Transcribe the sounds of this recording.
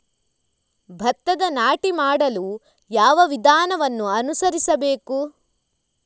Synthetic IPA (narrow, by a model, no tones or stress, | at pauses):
bʱɐt̪ːɐd̪ɐnaːʈimaːɽɐlu | jaːʋɐʋid̪ʱaːnɐʋɐnːuɐnusɐɾisɐbeːku